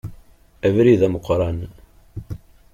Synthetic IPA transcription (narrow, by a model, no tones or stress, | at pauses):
ævɾiðæməqːɾˤɑn